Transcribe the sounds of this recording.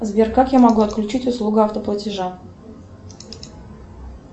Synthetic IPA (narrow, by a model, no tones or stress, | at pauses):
zbʲɪrkakjamɐɡuɐt̪̚klʲʉt͡ɕitʲʊslˠuɡʊaft̪əplˠətʲɪʐa